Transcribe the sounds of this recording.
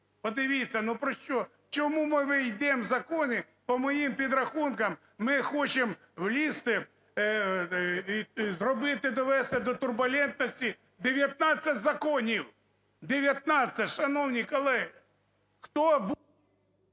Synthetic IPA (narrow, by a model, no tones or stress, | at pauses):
pɔd̪ɪʋʲit͡sʲːɐnupɾɔʃt͡ʃɔ | t͡ʃɔmumɪʋɪjd̪ɛmzɐkɔnɪ | pɔmɔjimpʲid̪ɾɐxunkɐmː | ɪxɔt͡ʃem | wlʲist̪ɪ | zrɔbɪt̪ɪd̪ɔʋɛst̪ɛd̪ɔt̪ʊrbʊlʲɛnt̪nɔsʲtʲi | d̪eʋʲjɐt̪̚nɑt͡sʲːɐtʲzɐkɔnʲiw | d̪eʋʲjɐt̪̚nɑt͡sʲɐtʲʃɐnɔwnʲikɔlˠɛɦɪ | xt̪ɔb